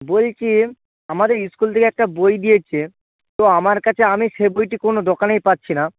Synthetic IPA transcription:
bolt͡ɕʰi | amad̪eɾiskult̪ʰekeɛk̚ʈabojd̪ijet͡ɕʰe | t̪oamaɾkat͡ɕʰeamiʃebojʈikonod̪okanejpatːɕʰina

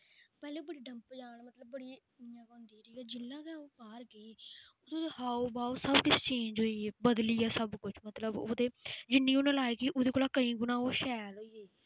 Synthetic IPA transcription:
pɛːleːbəɽiːɖəmpd͡ʒaːɳmət̪ləbːəɽiː | ãːkʊ̃nd̪iːɾəiːɛːd͡ʒɪlːãːkːoːbaːɾɡəiːoːd̪ohaːoːbaːoːsəbkɪt͡ʃt͡ʃẽːɲd͡ʒɦoːiːeːbəd̪liːɛːsəbkʊt͡ʃʰmət̪ləbo̰ːd̪eːd͡ʒɪnːĩːonãːlaːiɡiːʔoːd̪eːkoːlaːkəĩːɡʊnãːoːʃɛːlɦoːiːeiː

